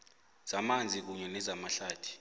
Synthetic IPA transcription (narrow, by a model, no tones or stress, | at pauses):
z̥amand͡zʱik̬uɲɛnɛzamaɬaːtʰi̥